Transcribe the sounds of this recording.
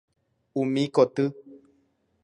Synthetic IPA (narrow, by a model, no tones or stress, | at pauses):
umĩkot̪ɨ